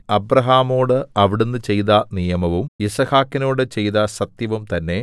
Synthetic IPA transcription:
ɐbɾɐɦaːmo̞ːɽɨɐʋiɽunːɨt͡ɕe̞jðɐnijɐmɐʋumisɐhaːkːino̞ːɽɨt͡ɕe̞jt̪ɐsɐt̪jɐʋumt̪ɐnːe̞

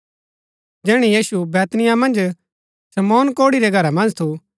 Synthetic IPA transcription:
d͡ʒɛːɽ̃ijiːsubɛːt̪nɪjamɐ̃nd͡ʒ | sɐmɔːnkoːɽiɾɛɡʱɐɾamɐ̃nd͡ʒt̪ʰu

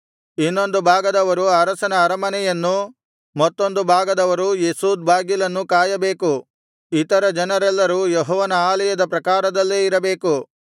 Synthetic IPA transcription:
inːo̞nd̪ubʱaːɡɐd̪ɐʋɐɾuɐɾɐsɐnɐːɾɐmɐnɛjɐnːu | mɐt̪ːo̞nd̪ubʱaːɡɐd̪ɐʋɐɾujesuːd̪̚bʱaːɡilɐnːukaːjɐbe̞ːku | it̪ɐɾɐd͡ʒɐnɐɾɛlːɐɾujɔɦɔːʋɐnɐaːlɛjɐd̪ɐpɾɐkaːɾɐd̪ɐlːeːiɾɐbe̞ːku

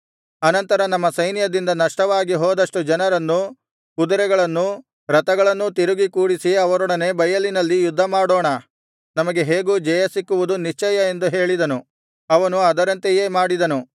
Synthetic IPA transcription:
ɐnɐnt̪ɐɾɐnɐmːɐsɐjnjɐd̪ind̪ɐnɐʂʈɐʋaːɡiɦɔːd̪ɐʂʈud͡ʒɐnɐɾɐnːu | kud̪ɐɾɛɡɐɭɐnːu | ɾɐt̪ɐɡɐɭɐnːut̪iɾuɡikuːɽisiɐʋɐɾɔɽɐne̞bɐjɐlinɐlːijud̪ʱːɐmaːɽoːɳɐ | nɐmɐɡe̞ɦeːɡuːd͡ʒɐjɐsikːuʋud̪uniʂt͡ʃɐjɐe̞nd̪uɦe̞ːɭid̪ɐnu | ɐʋɐnuɐd̪ɐɾɐnt̪eje̞ːmaːɽid̪ɐnu

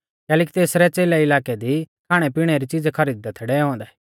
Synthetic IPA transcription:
kɛːleːk̬i̥t̪eːsɾɛt͡seːlɛɪlaːkɛd̪ikʰaːɽ̃ɛpiːɽ̃ɛɾit͡ʃid͡zkʰɐɾiːd̪̚d̪ɛt̪ʰːɛɽɛɔ̃ːnd̪ɛː

